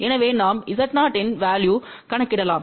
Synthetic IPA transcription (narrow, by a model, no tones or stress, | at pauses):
ɛnɐʋeːnaːmɪðɐʈnaːʈɪnʋaːljuː | kɐɳɐkːɪɽɐlãːm